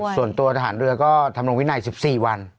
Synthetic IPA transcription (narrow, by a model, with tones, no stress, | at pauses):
su˨˩ənt̪u˧ɐt̪ʰa˧ɦaː˩˦nɾɯ˧ɐkɔː˥˩t̪ʰa˧mɾo˧ŋwi˦˥na˧jsi˨˩p̚siː˨˩wa˧n